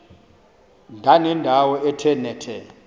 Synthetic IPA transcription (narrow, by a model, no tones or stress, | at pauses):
ndʱanɛndʱawɔɛtʰɛnɛtʰɛ